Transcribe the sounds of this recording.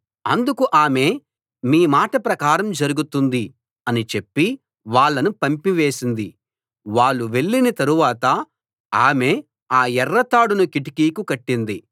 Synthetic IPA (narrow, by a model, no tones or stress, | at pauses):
ɐnd̪ukuʔaːme̞ː | miːmaːʈɐpɾɐkaːɾɐmd͡ʒɐɾuɡut̪und̪i | ɐnit͡ʃe̞pːi | ʋaːɭːɐnupɐmpiʋe̞ːsind̪i | ʋaːɭːuʋe̞ɭːinɐt̪ɐɾuʋaːt̪ɐ | aːme̞ː | aːɛrːɐt̪aːɽunukiʈi̥kiːkukɐʈːind̪i